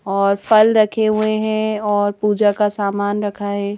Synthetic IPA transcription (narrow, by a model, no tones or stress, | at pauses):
ɔːɾfʰɐlɾɐkʰeɦueɦɛ̃ɔːɾpuːd͡ʒakasaːmaːnɾɐkʰaɦɛː